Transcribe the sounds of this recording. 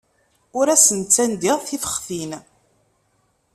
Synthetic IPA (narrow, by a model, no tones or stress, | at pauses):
ʊɾæsənt͡sːænd̪iʁθifə̥χθin